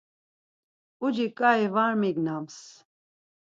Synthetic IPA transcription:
ud͡ʒikʼaivaɾmiɡnams

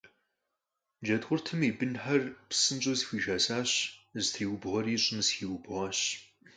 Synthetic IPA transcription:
d͡ʒɐdʁʷʊrtʰɨmiːbɨnħɐrpsɨnt͡ʃʼozxʷiːʒaːsaːɕztʰriːwʊbʁɐriːɕʼɪmsxiːwʊbʁaːɕ

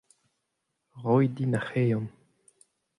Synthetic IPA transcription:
ʁɔjd̪inaχejɑ̃n

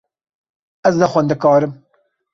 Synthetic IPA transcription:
ɛznɛxʷɛnd̪ɨkɑːɾɨm

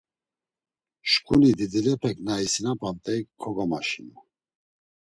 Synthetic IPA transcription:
ʃkʼunid̪id̪ilɛpʰɛknaisinapʼant̪ʼɛkʰːɔɡamaʃinu

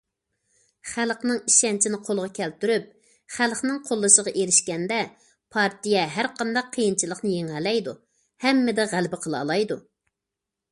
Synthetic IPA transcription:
χælˠqnɨŋiʃɛnt͡ʃʰinɪqʰolˠʁɑkʲʰɛlt̪yɾyp̚ | χælˠχnɨŋqʰolˠːɨʃəʁɑʔeɾɪʃkʲɛnd̪ɛ | pʰɑɾt̪ijɛɦæɾqʰɑnd̪ɑqʰːəjint͡ʃʰilˠəχnɨjeŋɦɛlɛjd̪u | hɛmːɪd̪ɛʁælbɪqʰəlˠɑ̰ːlˠɑjd̪u

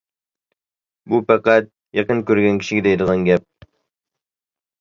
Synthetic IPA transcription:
bufæqæt̪̚ | jɑqɤŋkʉɾɡæŋkɘ̥̆ʃɘ̆ɡɘd̪æjd̪ɤ̆ʁɑŋɡæp̚

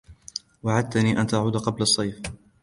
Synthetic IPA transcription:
waʕad̪̚t̪aniːʔant̪aʕuːd̪aqɑblɑsˤːɑjf

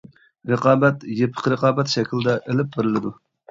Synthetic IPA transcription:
ɾəqɑːbɛt̪jepʰə̥qɾəqɑːbɛt̪ʃɛkʲild̪ɛʔelɪp̚beɾɪlɪd̪u

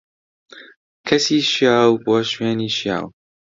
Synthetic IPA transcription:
kʰɐsiːʃjaːwboːʃweːniːʃja̰ːw

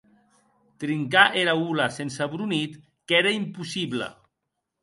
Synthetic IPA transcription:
t̪ɾiŋkaʔeɾaulasensaβɾunit̪ | keɾaimpusiβlə̰

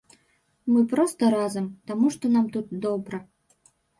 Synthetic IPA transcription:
mɨpɾost̪əɾɑzəmpt̪amuʂt̪onɑmt̪ut̪̚d̪obɾə

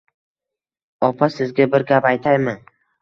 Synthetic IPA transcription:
ɒpʰasɪzɡʲabɪɾɡʲapajt̪ʰajman

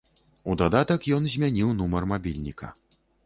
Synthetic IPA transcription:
ud̪ad̪at̪ɐkjɔnzʲmʲanʲiwnumɐrmabʲilʲnʲḭkɐ̰

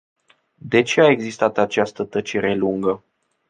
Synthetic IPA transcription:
d̪e̞t͡ʃe̞ae̞ɡzist̪at̪at͡ʃast̪ət̪ət͡ʃe̞ɾe̞luŋɡə

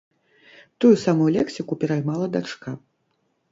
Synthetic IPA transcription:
t̪ujusamujulʲɛksʲikupʲɛɾajmalˠɐd̪at͡ʂka

